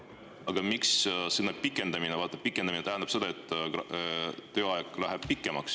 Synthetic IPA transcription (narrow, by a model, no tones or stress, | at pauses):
ɑɡ̥ɑmikssinːɑpikːˑe̞nd̪ɑminevɑːt̪ːˑɑ̥pikːˑend̪ɑmineæɦænd̪ɑb̥se̞d̪̥ɑe̞t̪ːˑ | t̪ːøːɑekːˑlæɦeb̥̚pikːˑe̞mɑks